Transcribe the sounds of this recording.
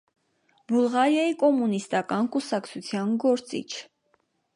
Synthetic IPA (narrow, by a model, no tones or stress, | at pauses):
bulʁɑɾjɑikɔmunist̪ɑkɑnkusɑkt͡sʰut͡sʰjɑnɡɔɾt͡sḭt͡ʃʰ